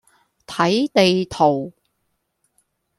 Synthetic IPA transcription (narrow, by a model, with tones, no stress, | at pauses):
t̪ʰɐ˨˥jt̪e˨jt̪ʰo˨˩w